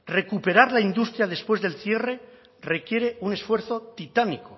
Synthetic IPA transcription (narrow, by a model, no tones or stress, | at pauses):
re̞kupe̞ɾaɾlaind̪ust̪ɾjað̞espwe̞zðe̞lθje̞re̞ | re̞kje̞ɾeune̞sfwe̞ɾθot̪it̪aniko